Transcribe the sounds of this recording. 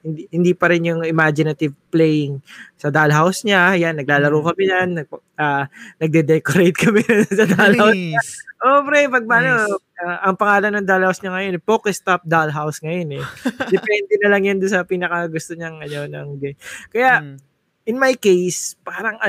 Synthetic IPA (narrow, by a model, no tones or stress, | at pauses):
hɪnd̪ihɪnd̪iːpɐɾɪnjʊŋɪmad͡ʒɪnɐt̪ɪvplɛjɪŋsɐd̪alɦawsɲajanːɐɡ̚laːlɐɾoːkɐmɪɲanːɐ | ʔaːnɐɡ̚d̪ɛd̪ɛkoɾejt̪̚kʰɐmɛnsɐd̪alawsɲaʔopɾɛpɐɡ̚mɐʔnoaʔɐŋpɐŋaːlɐnːɐŋd̪alhawsɲɐŋɐjo̞nɛpoːkɛst̪ap̚d̪alɦawsŋɐjo̞nɛd̪ɛpɛnd̪ɛnɐlɐŋjʊnd̪ʊnsɐpiːnɐkɐɡʊst̪oɲɐŋʔɐno̞nɐŋɡɛkɐja | ʔɪnmɐjkejspaːɾɐŋʔɐ